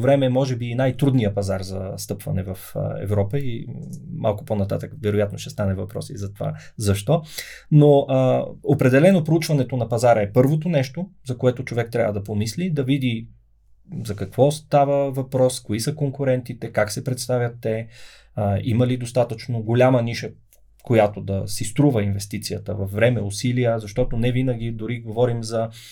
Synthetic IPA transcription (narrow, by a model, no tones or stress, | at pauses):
vɾɛmɛːmɔʒɛbiːnajt̪ɾud̪nijəpɐzaɾzɐst̪ɤpv̥ɐ̰nɛvəfə̰ɛ̰vɾɔpəima̰lˠkʊ̥ponɐt̪a̰t̪əkvɛɾojat̪noʃt̪ɛst̪anɛvɐpɾɔ̰sizɐt̪ova̰zɐʃt̪ɔnoəopɾɛd̪ɛlɛnopɾout͡ʃvɐnɛt̪onɐpɐzaɾəɛpɤɾvot̪onɛʃt̪ozɐkoɛt̪ot͡ʃovɛk̚t̪ɾʲa̰vəd̪ɐpomislid̪ɐvid̪i | zɐkɐkvɔst̪avəvɐpɾɔskoisəkoŋkʊɾɛnt̪it̪ɛkaksɛpɾɛt̪st̪avʲjət̪ːɛ | əiməlid̪ost̪at̪ət͡ʃnoɡolʲaməniʃə | kojat̪od̪ɐsist̪ɾuvəinvɛst̪it̪sijət̪əvɐfːɾɛmɛʊsiliəzɐʃt̪ɔt̪onɛvinəɡʲid̪ʊɾiɡovɔɾimzɐ